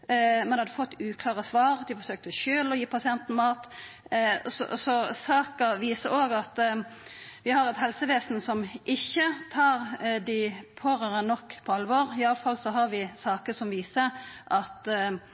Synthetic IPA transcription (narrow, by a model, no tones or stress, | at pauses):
mɛnhɑd̪əfɔt̪ːʉːkʰlɑːʁəsʋɑːʁd̪ɪfɔɾsøːk̚t̪əʃøːlɔjiːpʰɑsɪɛnt̪n̩mɑːt̪ | sɔ̰sɔsɑːkəɾʋiːsəɾoːɡɑt̪ | ʋɪhɑɾɛt̪ɦɛlsəʋeːsnsɔmʔɪçːət̪ʰɑːɾd̪ɪpʰoːʁəɾənɔkːpʰɔɑlʋɔɾɪɑləfɑlsɔɦɑɾʋɪsɑːkəsɔmʋiːsəʔɑt̪